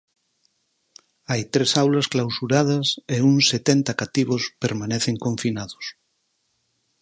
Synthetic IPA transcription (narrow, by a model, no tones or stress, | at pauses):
ajt̪ɾesawlɐsklawsuɾað̞ɐseuŋset̪ent̪akat̪iβ̞ospeɾmaneθeŋkõɱfinaðʊs